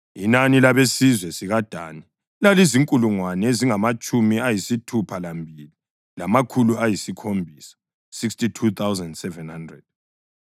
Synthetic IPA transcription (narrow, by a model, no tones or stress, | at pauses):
inanilaβesizwɛsiɣad̥ʱa̰ːni | laliziŋkʼuluŋwanɛeziŋamat͡ʃʼumiajisitʰupʰalambʱili | lamakʰuluajisikʰombʱiːsḁ | sikstitʰut̪ʰawzandsɛvɛnhandrɛ̰d̥̚